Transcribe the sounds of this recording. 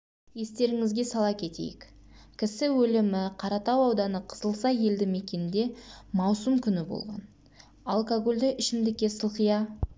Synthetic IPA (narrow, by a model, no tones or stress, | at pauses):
je̞st̪e̞ɾɪŋɪzɡʲe̞sɑlˠɑkʲʰe̞t̪ḛjɪ̰k | kʲʰɪsɪwɵlɪmɪqʰɑɾɑt̪ɑwɑwd̪ɑnəqʰə̥zəlˠsɑje̞ld̪ɪme̞kʲe̞nɪnd̪e̞mɑwsəmkʲʰʏnɪbo̰lˠʁɑ̰n | alˠkoɡo̞lʲd̪ɪʔɪʃɪmd̪ɪkʲːe̞səlˠqəjɑ